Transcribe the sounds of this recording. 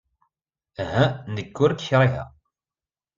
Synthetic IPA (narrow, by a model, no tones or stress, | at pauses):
ɦænəɡːʊɾkçɾˤiɦæ̰